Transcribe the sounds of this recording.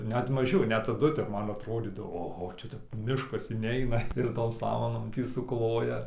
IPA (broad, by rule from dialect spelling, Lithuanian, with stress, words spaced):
nʲɛt mɐˈʒʲɛʊ nʲɛt tɐˈdʊ ˈtʲɛp ˈmɐn ɐtroːˈdʲiːdɐʋoː oːˈɣoː ˈt͡ʃʲɛ tʲɛp ˈmʲɪʃkɐs ɪˈnʲɛɪnɐ ɪr toːm ˈsɑːmɐnoːm ˈtʲiː sʊˈklˠoːjɛ sʊˈklˠoːjɛ